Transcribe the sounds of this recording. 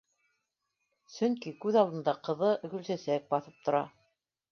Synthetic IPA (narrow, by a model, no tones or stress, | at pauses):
sɵŋkikʉðɑlˠd̪ɤ̆nd̪ɑqɤ̆ðɤʔɵ̆ɡɵ̆lsæsæk̚bɑθɤp̚t̪ŏɾɑ